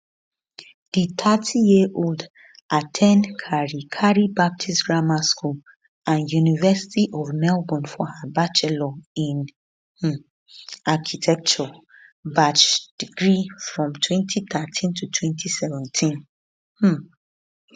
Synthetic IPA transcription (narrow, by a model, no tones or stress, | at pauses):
d̥it̪ʰatʰijiʔold | ʔatʰɛ̃nkʰaɹikʰaɹibap̚tʰisɡɹamaskʰul | ãnjunivɛsi̥tiʔɔvmɛlbɔ̃nfɔhabat͡ʃɛlɔĩn | h̩ | akʰitʰɛk̚t͡ʃɔ | bat͡ʃd̥iɡɹifɹɔ̃mtʰwɛ̃ntʰit̪atʰĩntʰutʰwɛ̃ntʰisɛvɛ̃ntʰĩn | h̩